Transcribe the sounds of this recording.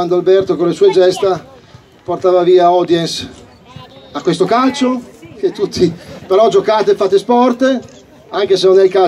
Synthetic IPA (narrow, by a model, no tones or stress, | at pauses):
and̪oalbɛrt̪okonlesuːed͡ʒɛst̪a | port̪aːvaviːaɔd̪jɛns | akːwest̪okalt͡ʃoket̪ːut̪ʰːipeɾɔd͡ʒokaːt̪efːaːt̪espɔrt̪e | aŋkesenonɛilka